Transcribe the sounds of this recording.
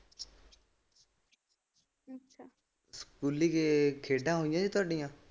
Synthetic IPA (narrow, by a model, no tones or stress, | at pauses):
ɐʃʰa | skuːliːkekʰeːɖãːɦoːijãːd͡ʒiːt̪ʊaːɖɪjãː